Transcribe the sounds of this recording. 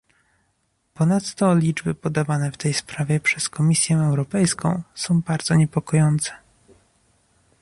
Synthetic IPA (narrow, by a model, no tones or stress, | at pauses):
pɔnat̪ːɔlʲid͡ʐbɘpɔd̪avanɛft̪ɛjspɾavʲjɛpʂɛskɔmʲisʲjɛɛwɾɔpɛjskɔ̰̃w̃sɔ̃w̃baɾd̪zɔɲɛpɔkɔjɔnt̪sɛ̥